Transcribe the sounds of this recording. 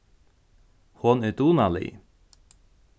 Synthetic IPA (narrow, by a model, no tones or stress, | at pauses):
hɔnɪt̪uːnalḭ